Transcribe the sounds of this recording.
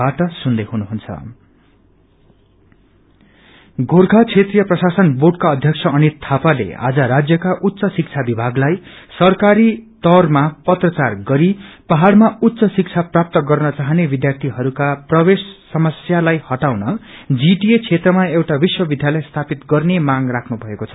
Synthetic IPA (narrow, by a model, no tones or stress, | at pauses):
aʈʌsund̪ʌjɦunuɦunt͡sʰʌ̰ | ɡorɡʱat͡sʰet̪rijʌprʌsasʌnboɖkaʌd̪ʱjʌkt͡sʰʌʌnit̪ʰapalḛa̰d͡zʌɾad͡zjʌkaʔut̪ːsʌsik̚t͡sʰabibʱaɡlajsʌrkaɾit̪ʌrmapʌt̪rʌt͡sarɡʌɾipʌɦaɽmaut̪ːsʌsik̚t͡sʰaprap̚t̪ʌɡʌrnʌt͡saɦnebid̪jart̪ʰiɦʌɾukaprʌbesːʌmʌsjalajhʌʈawnʌd͡ziʈiet͡sʰet̪rʌmaewʈabiswʌbid̪ʱjalʌjst̪ʰapit̪ɡʌrnemãŋrakʰnubʱʌekot͡sʰʌ̥